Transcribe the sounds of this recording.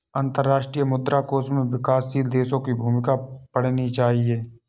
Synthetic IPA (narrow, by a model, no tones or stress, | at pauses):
ə̃nt̪əɾːaːʃʈɾijəmʊd̪ɾaːkoːsmẽʋɪkaːsiːld̪eːsõkibʱuːmɪkapəɽ̤nit͡ʃaːɦieː